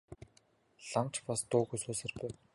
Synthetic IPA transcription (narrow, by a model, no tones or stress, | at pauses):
ɮamt͡ɕpast̪ʊːɣusoːsɘ̆rpʊː